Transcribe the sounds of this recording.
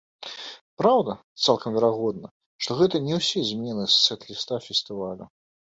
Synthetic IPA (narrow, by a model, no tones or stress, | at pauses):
pɾawd̪ɐt̪salˠkɐmvʲɛɾaɣɔd̪̚nɐ | ʂt̪ɔɣɛt̪ɐnʲɛwsʲɛzʲmʲɛnɨst̪sɛt̪lʲist̪afʲɛsʲt̪ɨvalʲu